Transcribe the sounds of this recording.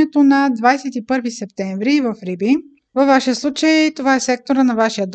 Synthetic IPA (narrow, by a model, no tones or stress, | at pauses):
ɛt̪onɐd̪vajsɛt̪ipɤɾvisɛpt̪ɛɱvɾivɐfɾibi | vɐvːaʃiəslˠut͡ʃəjt̪ovaɛsɛk̚t̪oɾənɐvaʃijəd̪